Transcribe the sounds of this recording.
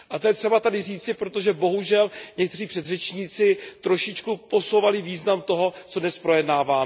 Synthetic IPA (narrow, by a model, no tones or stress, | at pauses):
ʔat̪ojɛt̪r̥ɛbat̪adɪriːt͡sɪpɾo̞t̪oʒɛbo̞ɦuʒɛlɲɛk̚t̪ɛriːpr̥ɛd̪rɛt͡ʃɲiːt͡sɪt̪ɾo̞ʃɪt͡ʃkupo̞so̞wvalɪviːznamt̪o̞ɦo̞t͡sodnɛspɾo̞jɛdnaːvaː